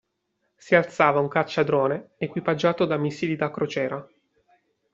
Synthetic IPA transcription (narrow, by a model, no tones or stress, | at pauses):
sialt̪saːvauŋkat͡ʃːad̪ɾoːneekwipad͡ʒːaːt̪od̪amisilid̪akɾot͡ʃɛːɾa